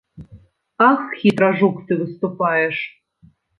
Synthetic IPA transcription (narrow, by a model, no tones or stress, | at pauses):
ɑxxʲit̪ɾaʐukt̪ɨβɨst̪upɑjeʃ